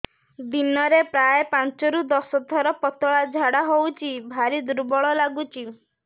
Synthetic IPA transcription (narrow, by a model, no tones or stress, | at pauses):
d̪inɔɾepɾajepãnt͡ʃɔɾud̪ɔsɔt̪ʰɔɾɔpɔt̪ɔɭad͡ʒʱaɽaɦowt͡ʃʰibʱaɾid̪uɾbɔɭɔlaɡut͡ʃʰi